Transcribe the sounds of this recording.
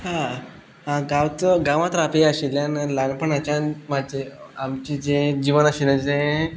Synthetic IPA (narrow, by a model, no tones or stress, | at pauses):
hã | ɦãɡawt͡səɡaʋãt̪ɾapeaɕeljãnəlanpəɳat͡ɕamad͡ʑeamt͡ɕid͡zẽd͡ʑiʋənaɕilət͡sẽ